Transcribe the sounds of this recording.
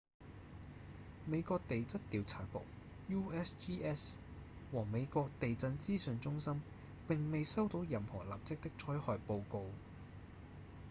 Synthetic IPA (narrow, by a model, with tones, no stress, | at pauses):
me˨˧jkɔː˧k̚t̪e˨jt͡sɐ˥t̚t̪iː˨˧wt͡sʰaː˨˩kʊ̰˨k̚ | juː˥ɛ˥siː˥ʔɛː˥s | wɔː˨˩me˨˧jkɔː˧k̚t̪e˨jt͡sɐ˧nt͡siː˥sœː˨˧ŋt͡sʊ˥ŋsɐ˥m | pɪ˨ŋme˨jsɐ˥wt̪o˨˧wjɐ˨˩mhɔː˨˩la̰ː˨p̚t͡sɪ˥k̚t̪ɪ˥k̚t͡sʰɔː˨˥jhɔː˨˧jpo˧wko˧w